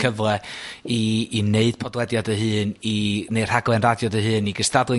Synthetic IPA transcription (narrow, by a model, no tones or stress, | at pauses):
əvlɛiːneɨd̥pʰɔdwɛdjadəɦɨːnineɨr̥haɡlˠɛnradjɔdəɦɨːniɡəstadlˠɨ